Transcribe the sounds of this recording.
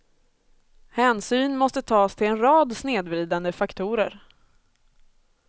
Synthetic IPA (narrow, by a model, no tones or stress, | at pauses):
hɛːnsyːnmɔst̪ət̪ʰɑːst̪ʰɪlɛnɾɑːd̪sneːd̪vɾiːd̪and̪əfakt̪ʰuːɾə̰ɾ